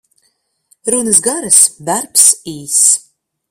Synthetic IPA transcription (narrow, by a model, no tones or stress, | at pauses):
ɾunɨsɡaɾasd̪arpsiːs